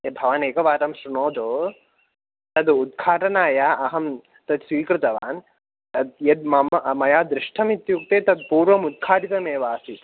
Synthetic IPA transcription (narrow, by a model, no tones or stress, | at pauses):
ɐbʱɐʋɐneːkɐʋaːt̪ɐmʃɾunoːd̪oː | t̪ɐd̪ud̪̚ɡʰaːʈɐnaːjaːʔɐɦɐm | t̪ɐd̪sʋiːkɾɪt̪ɐʋaːn | t̪ɐd̪jɐd̪mɐmmɐjaːd̪ɾɪʂʈʰɐmit̪juk̚t̪eːt̪ɐd̪̚puːɾʋɐmud̪̚kʰaːʈit̪ɐmeːʋaːsi